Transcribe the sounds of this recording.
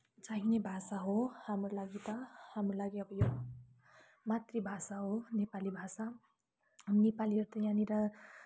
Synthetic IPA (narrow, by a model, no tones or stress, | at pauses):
t͡saɦinebʱasaɦohamrolaɡit̪ʌhamrolaɡiʌbʌjo | mat̪ribʱasaɦonepalibʱasa | ʌmnepaliʌɾt̪ʌjaniɾʌ